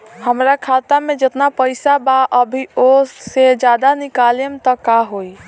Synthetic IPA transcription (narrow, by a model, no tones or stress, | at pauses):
həmɾakʰat̪amed͡ʒet̪napəjsabaʔəbʱiosed͡ʒad̪anikalemt̪əkaɦoi